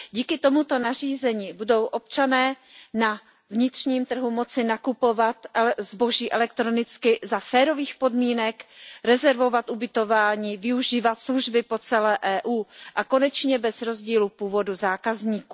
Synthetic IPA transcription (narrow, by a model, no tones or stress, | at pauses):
ɟiːkɪt̪o̞mut̪o̞nar̝iːzɛɲiːbudo̞wʔo̞pt͡ʃanɛː | na | vɲɪt̪r̝ɲiːmt̪r̩ɦumo̞t͡sɪnakupo̞vat̪zbo̞ʒiːʔɛlɛk̚t̪ɾo̞nɪt͡skɪzafɛːɾo̞viːxpo̞dmiːnɛkɾɛzɛɾvo̞vat̪ʔubɪt̪o̞vaːɲiːvɪuʒiːvat̪sluʒbɪpo̞t͡sɛlɛːʔɛːʔuːʔako̞nɛt͡ʃɲɛbɛzɾo̞zɟiːlupuːvo̞duzaːkazɲiːku